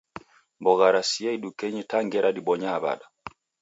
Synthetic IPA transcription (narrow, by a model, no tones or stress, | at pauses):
mbɔɣaɾasiaiɗukɛɲɛtaŋɡɛɾaɗiɓɔɲaːba̰ɗa